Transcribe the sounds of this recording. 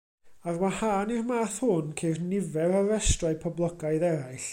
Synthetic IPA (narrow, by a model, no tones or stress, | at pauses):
arwahaːnirmaːθhʊnkʰejrnɪvɛɾaɾɛstraɨpʰɔblˠəɡaɨðɛɾajɬ